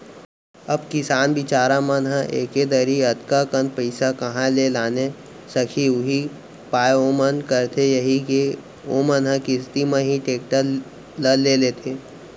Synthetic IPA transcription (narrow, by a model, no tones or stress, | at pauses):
ɐbkɪsaːnbɪt͡ʃaːɾamənɦə̃ʔeːked̪əɾiət̪kakənpəɪsakɐɦãlelaːne | səkʰiʊɦi | paːjoːmənkəɾt̪ʰejɐɦike | omənɦə̃kɪst̪imə̃ɦiʈeːkʈə | ləlelet̪ʰeː